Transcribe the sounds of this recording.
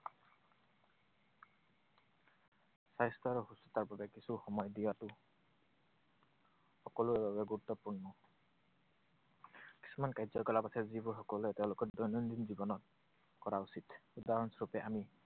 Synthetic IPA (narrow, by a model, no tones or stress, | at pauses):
sajstʰɔɹɔxusɔ̥t̪aɹbabɛkisuxɔmɔjdijatʊ | xɔkɔluɛbabɛɡuɾut̪ːɔpuɹnɔ | ki̥sʰumankajzɔkɔlapasʰɛzibɔxɔkɔluɛteʊ̃lʊkɔɹdɔjnɔnd̪inzibɔnɔt̚ | kɔɹausitudaɹɔnsɔɹupɛʔami